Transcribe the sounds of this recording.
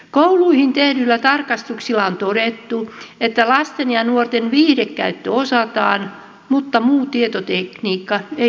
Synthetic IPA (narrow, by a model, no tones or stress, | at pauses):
kouluihint̪ehdylːæt̪ɑrkɑst̪uksilːˑɑont̪oɾet̪ːuet̪ːælɑst̪enjɑnuort̪enʋiːhrekkːæ̰yt̪ːøosɑt̪ɑːn | mut̪ːɑmuːt̪iet̪ot̪ekniːkːɑe